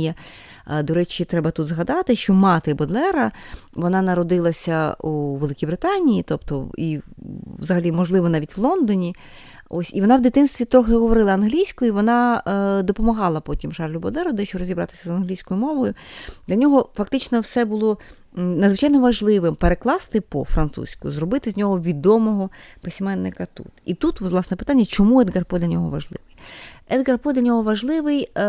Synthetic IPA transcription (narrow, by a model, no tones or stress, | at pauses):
jɛ | d̪ɔɾɛt͡ʃit̪ɾɛbɐt̪ud̪zɦɐd̪ɑt̪ɪʃt͡ʃɔmɑt̪ɪbɔd̪lˠɛɾɐʋɔnɑnɐɾɔd̪ɪlˠɐsʲɐuʋelˠɪkʲibɾɪt̪ɑnʲijit̪ɔpt̪ɔ̰iʋzɐɦɐlʲimɔʒlˠɪʋɔnɑʋʲitʲʋlˠɔnd̪ɔnʲi | osʲiʋɔnɑwd̪ɪt̪ɪnst̪ʋʲit̪ɾɔxɪɦɔʋɔɾɪlˠɐɐnɦlʲijsʲkɔjʊiʋɔnɑd̪ɔpɔmɐɦɑlˠɐpɔtʲimʃɑrlʲʊbɔd̪ɛɾʊd̪ɛʃt͡ʃɔɾɔzʲibɾɑ̰t̪ɪ̥sʲɐzɐnɦlʲijsʲkɔjʊmɔʋɔjʊd̪lʲɐnʲɔɦɔfɐk̚t̪ɪt͡ʃnɔwsɛbulˠɔ | nɐd̪zʋɪt͡ʃɑjnɔʋɐʒlˠɪʋɪmpeɾeklˠɑst̪ɪpɔ̰fɾɐnt̪sṵsʲkʊ̰zrɔbɪt̪ɪzʲnʲɔɦɔʋʲid̪ɔmɔɦɔpesʲmɛnːɪkɐt̪ṵt̪it̪ut̪ʋzlˠɑsnɛpɪ̥t̪anʲːɐt͡ʃɔmuɛd̪ɡɐrpɔd̪ʲlʲɐnʲɔɦɔ̰ʋɐ̰ʒlˠɪ̰ʋɪjɛd̪ɡɐrpɔd̪lʲɐnʲɔɦɔʋɐʒlˠɪʋɪj